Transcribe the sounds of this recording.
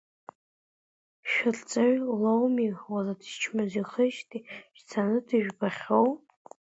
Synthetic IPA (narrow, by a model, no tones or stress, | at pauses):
ʃᶣɪrt͡sʼaɥlowmiwaladʒt͡ʃʰmaziχəʃtʼiʃt͡sʰanɨdɨʒᶣbaχʲow